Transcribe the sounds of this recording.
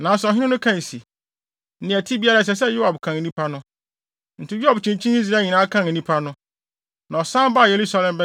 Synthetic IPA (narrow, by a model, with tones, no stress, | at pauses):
nã˨˦sɛ˨ɔ˨ɦɪ̃˦nɪ̃˦nʊ̃˦kʰã˦˨n˨si˨ | n̩˦ɪ̃˨æ˨tʰi˦bi˦a˦ɾa˦˨s̬ɛ˨s̬ɛ˦jo˦ha˨bkʰã˨n˨nĩ˦pʰa˦nʊ̃˦ | n̩˨tɪ˦jʊ˦a˨bt͡ɕʰĩ˨nt͡ɕʰĩ˦ni˦s̬ɾa˦˨ɲĩ˨nãː˨˦kʰã˦n˨nĩ˦pʰa˦nʊ̃˦ | nã˨ɔ˨sã˦m˦ba˦˨je˨ɾu˦sa˦lɛ̃˨mbɛ˦